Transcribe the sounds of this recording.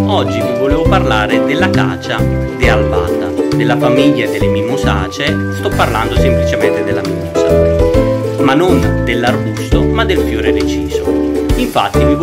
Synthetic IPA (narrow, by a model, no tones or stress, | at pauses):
ɔd͡ʒːivivoleːvoparlaːɾɪd̪ɪlːakaːt͡ʃa | d̪ialba̰nd̪a̰d̪elːafamiʎːaed̪ːelːemiːmusa̰ːt͡ʃe | st̪ɔpːarland̪osemplit͡ʃemɛnt̪ed̪elːamimuːza | manːond̪elːarbust̪omad̪ːelfjoːɾed̪et͡ʃiːzoiɱfat̪ːivi